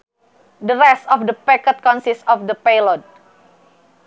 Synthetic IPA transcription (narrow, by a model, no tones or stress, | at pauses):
dəɾɛstɔfdəpɛkət̪̚kɔnsistɔfdəpelɔt̪̚